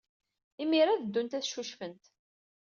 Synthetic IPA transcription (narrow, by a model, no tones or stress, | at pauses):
imiɾaðəd̪ːunt̪æθʃuʃfənt̪